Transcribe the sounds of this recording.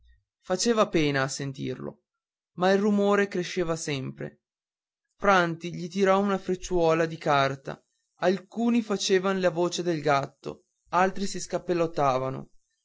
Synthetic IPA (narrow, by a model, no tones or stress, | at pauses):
fat͡ʃeːvapeːnaːsːent̪ḭrlo̰ | mailrumoːɾekɾeʃːeːvasɛmpɾḛ | fɾant̪iʎit̪̬iɾɔunafɾet͡ʃːwɔːlad̪ikart̪a̰ | alkuːnifat͡ʃeːvanolavoːt͡ʃed̪elɡat̪ːo̰ | alt̪ɾisiskapːelːot̪ːaːvano̰